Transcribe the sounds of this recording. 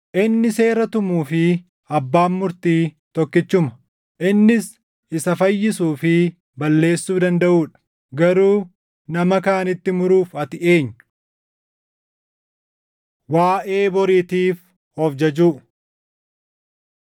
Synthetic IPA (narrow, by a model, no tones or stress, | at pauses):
ʔɪnːɪse̞ːɾɐt̪ʊmuːfɪ | ɐbːaːmːʊɾt̪iː | t̪ɔkːɪt͡ʃːʊmɐ̥ | ʔɪnːɪs | ɪsɐfɐjːɪsuːfɪ | bɐlːe̞ːsːuːd̪ɐnd̪ɐʔuːᶑɐ̥ | ɡɐɾuː | nɐmɐkaːnɪt̪ːɪmʊɾuːfɐt̪ɪʔe̞ːɲːʊ̥ | waːʔe̞ːbɔɾiːt̪iːf | hɔfd͡ʒɐd͡ʒuː